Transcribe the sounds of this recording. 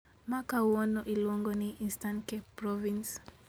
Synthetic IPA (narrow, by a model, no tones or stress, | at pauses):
makawɔnɔʔilɔŋɡɔniʔinstankɛpɾɔvĩns